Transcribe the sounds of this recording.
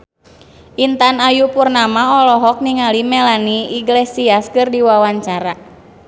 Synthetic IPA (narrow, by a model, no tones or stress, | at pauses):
ʔint̪anajupurnamaɔlɔɦɔk̚niŋalimɛlaniiɡlesiaskɨrdiwawaɲt͡ʃaɾa